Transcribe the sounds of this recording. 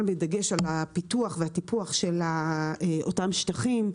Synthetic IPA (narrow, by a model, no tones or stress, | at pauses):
lbedaɡe̞ʃalapituaχvehatipuaχʃelaʔotamʃtaχim